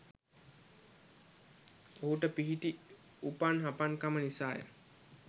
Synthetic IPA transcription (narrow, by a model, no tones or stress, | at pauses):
oɦuʈəpiɦiʈi | upanɦapaŋkamənisaːjə̰